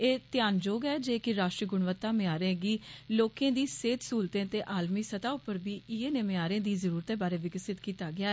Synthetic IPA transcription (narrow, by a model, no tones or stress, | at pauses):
eːt̪ɪjaːnd͡ʒoːɡɛːd͡ʒeːkɪɾaːʃʈɾiɡʊɳʋət̪ːaːmɪaːɾẽːɡiːloːkẽːd̪iːseːt̪suːlt̪ẽːt̪eːʔaːlmiːsət̪aːʊpːəɾbiːɪeːnemeaːɾẽːd̪iːzəɾuːɾt̪ẽːbaːɾeːʋɪɡəsɪt̪kiːt̪aːɡɪaːɛ